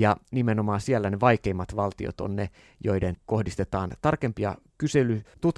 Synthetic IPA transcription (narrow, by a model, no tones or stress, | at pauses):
jɑnimenomɑːsielːæneʋɑikeimːɑt̪ʋɑlt̪io̰t̪o̰nne | joidenkohdist̪et̪ɑːnt̪ɑrkempiɑ | kyselyt̪ut̪